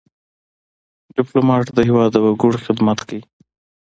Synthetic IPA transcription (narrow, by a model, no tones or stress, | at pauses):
ɖɪplomɑʈd̪əɦɪwɑd̪ːəwaɡʊɽxɪd̪mat̪kawi